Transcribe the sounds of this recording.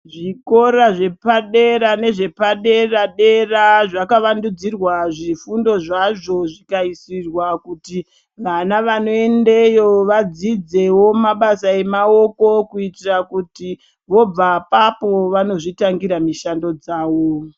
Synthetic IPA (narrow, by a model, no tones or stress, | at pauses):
ʐiko̞ɾaʐe̞paɗe̞ɾane̞ʐe̞paɗe̞raɗe̞raʐakaʋandud͡zirwaʐifundo̞ʐaʐo̞ʐikaisirwakuti | ʋanaʋano̞e̞ndejo̞ʋad͡zid͡ze̞wo̞maɓasae̞mao̞ko̞kuitirakuti | ʋo̞b͡vapapo̞ʋano̞ʐitaŋɡiɾamiʃando̞d͡zaːwo